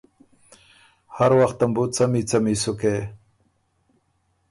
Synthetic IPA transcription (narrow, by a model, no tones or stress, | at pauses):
haɾwaxt̪əmbut͡samit͡samisuke